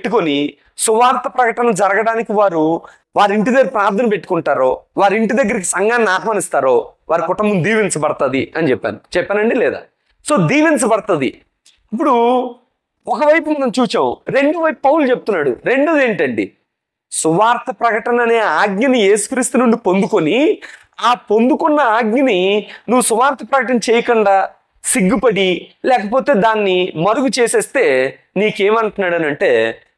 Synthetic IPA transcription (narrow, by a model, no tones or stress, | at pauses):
ʈːukoni | suʋaːɾt̪ɐpɾɐkɐʈɐnɐd͡ʒɐɾɐɡɐɽaːnikiʋaːɾu | ʋaːɾiɳʈ̬id̪ɐɡɐɾipɾaːɾt̪ʰɐnɐpe̞ʈːu̥kuɳʈaːɾo̞ːʋaːɾiɳʈid̪ɐɡːɐɾik̬i̥sɐŋɡaːnnːaːɦmaːnist̪aːɾo̞ːʋaːɾikɔʈːɐmbund̪iːʋint͡ʃɐbɐɽɐt̪ɐd̪iɐnit͡ʃɛpːa̰ːnut͡ʃɛpːaːnɐɳɖilɛːd̪a̰ː | so̞ːd̪iːʋint͡ʃɐpɐɽɐt̪ɐd̪ḭ | ip̬ːuɽu | ɔkɐʋɐjpumɐnɐmt͡ʃuːt͡ʃaːmṵɾe̞ɳɖuʋɐjpupɐwult͡ʃep̬̚ut̪unːaːɽṵɾe̞ɳɖud̪e̞ːɳʈɐɳɖḭ | suʋaːɾt̪ɐpɾɐkɐʈɐnɐneːaːɡɲɐnije̞ːsu̥kɾist̪unuɳɖipo̞nd̪uko̞ni | aːpo̞nd̪ukɔnːɐaːɡɲɐninuʋːusuʋaːɾt̪ʰɐpɾɐkɐʈɐnɐt͡ʃeːjɐkɐɳɖaː | siɡːupɐɽilɛːkɐpo̞ːt̪e̞ːd̪aːnːimɐɾuɡut͡ʃeːseːst̪e̞ː | niːkeːmɐɳʈunːaːɽɐnɐɳʈe̞ː